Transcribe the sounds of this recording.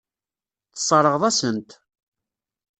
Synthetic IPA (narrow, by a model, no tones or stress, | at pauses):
θə̥sˤːɑɾˤəʁðˤæsənt̪